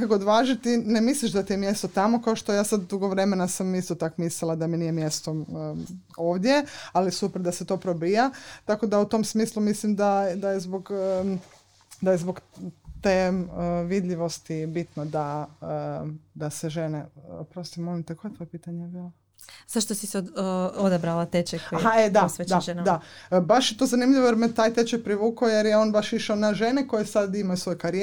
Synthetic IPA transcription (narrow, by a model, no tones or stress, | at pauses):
kakood̪ʋaːʒit̪inemisliʃd̪at̪iemje̞st̪ot̪amo̞kaoʃt̪o̞jaːsad̪d̪uɡoʋɾe̞menasamist̪ot̪akmislilˠad̪aminijemjest̪o | o̞ːʋd̪jealisupeɾd̪aset̪o̞ːpɾobijat̪ako̞d̪aut̪o̞ːmsmiːslumislimd̪ad̪ajezboɡə | d̪ajezboɡt̪eːəʋid̪ʎʲiʋo̞st̪ibit̪nod̪aəd̪aseʒeneo̰pɾost̪imolimt̪ekʰojet̪o̞jepiːt̪aɲejbiːlo | z̥aʃt̪osiseod̪abɾalat̪et͡ʃekoaɦaed̪aosʋedd̪end̪abaʃjet̪o̞ːzanimʎʲiʋojeɾmet̪aːjt̪et͡ʃepɾiʋuːkojeɾjeo̞ːnbaʃiʃaonaʒeneko̞jesad̪imajusʋo̞jekaɾie